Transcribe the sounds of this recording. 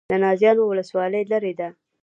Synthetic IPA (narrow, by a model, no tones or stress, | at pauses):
d̪ənɑzjɑnowʊləswɑləjləɾed̪a